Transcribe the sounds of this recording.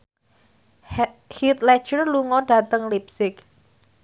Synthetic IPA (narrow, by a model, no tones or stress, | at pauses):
hit̪lɛt͡ʃərluŋɔɖ̥a̤t̪əŋlipsɪk